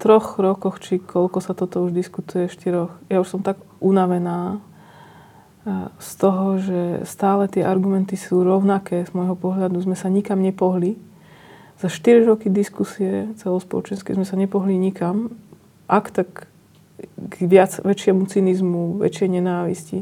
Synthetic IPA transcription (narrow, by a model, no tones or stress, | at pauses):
t̪ɾɔxɾɔkɔxt͡ʃikʰɔʎkɔsat̪ɔt̪ɔuʒd̪iskut̪ujɛfʃt̪iɾɔxjauʃsɔmt̪aɡʔunaʋɛnaː | st̪ɔɦɔʒɛst̪aːlɛt̪ɪɛʔaɾɡumɛnt̪isuːɾɔʊnakɛːz̥mɔjɦɔpɔɦlad̪uzmɛsaɲikamɲɛpɔɦli | z̥aʃt̪iɾiɾɔkid̪iskusiɛt͡sɛlɔspɔ̰lɔ̰t͡ʃɛnskɛzmɛsaɲɛpɔɦliɲikam | ʔakt̪ak | ɡʋɪad͡zʋɛt͡ʃɪɛmut͡sinizmuʋɛ̰t͡ʃɪɛjɲɛnaːʋḭscḭ